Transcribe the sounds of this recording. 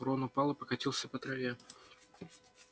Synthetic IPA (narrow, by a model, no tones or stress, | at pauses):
ɾonʊpɑlˠɨpəkɐtʲilˠsʲəpət̪ɾɐvʲe